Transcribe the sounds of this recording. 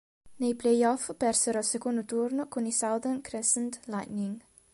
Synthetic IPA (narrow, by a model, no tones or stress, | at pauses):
nejplejɔfpɛrseɾɔlsekond̪ot̪urnokonisawd̪ənkɾesent̪lajt̪niŋ